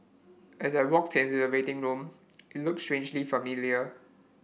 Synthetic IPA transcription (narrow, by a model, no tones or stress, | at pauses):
ʔɛsaɪwɔk̚tʰɪ̃ntudəwetɪ̃ŋɹũmɪt̚lʊk̚stɹẽnd͡ʒlifəmiliə